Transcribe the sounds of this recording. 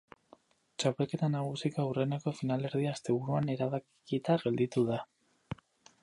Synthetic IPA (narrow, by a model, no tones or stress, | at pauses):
t͡ʃapelke̞t̪anaɣ̞usikaure̞neko̞finale̞ɾðiaːst̪e̞βuɾuane̞ɾaβakkit̪aɣe̞ld̪it̪uða